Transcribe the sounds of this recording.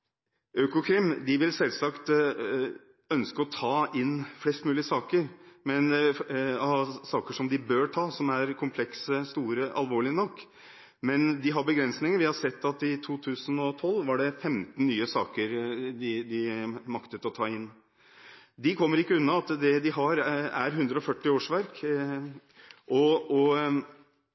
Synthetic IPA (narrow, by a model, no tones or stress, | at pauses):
ʔøːkʊkʰɾɪmd̪ɪʋɪlsɛlsɑkt̪ | œnskəɔt̪ʰɑːɪnflɛst̪mʉːlɪəsɑːkəɾmɛn | ɑsɑːkəʂɔmd̪ɪbøːɾʈʰɑːsɔmæɾkʰʊmpʰlɛksəst̪uːɾəʔɑ̰lʋoːɭɪənɔkː | mɛnd̪ɪɦɑɾbəɡɾɛnsnɪŋəɾʋɪhɑsɛt̪ːɑt̪ɪt̪ʰuːt̪ʰʉːsənɔt̪ʰɔlːʋɑɖɛfɛmt̪n̩ːyːəsɑ̰ːkəɾd̪ɪd̪ɪmɑkt̪ət̪ɔt̪ʰɑːɪnː | d̪ɪkʰɔmːəɾɪkːəʉnːɑɑt̪d̪ɛd̪ɪɦɑɾæɾɦʉnd̪ɾəɔfœʈːɪoːʂʋæɾk | ʔɔɔ